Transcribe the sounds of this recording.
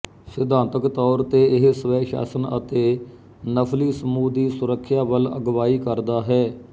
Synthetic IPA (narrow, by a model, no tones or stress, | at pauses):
sɪd̪ãːnt̪əkt̪ɔːɾt̪eːɪɦsəʋɛːʃa̰ːsənə̰t̪eː | nəpʰliːsəmuːd̪iːsʊɾəkʰːjaːʋələ̰ɡʋaːiːkəɾd̪aːɦɛː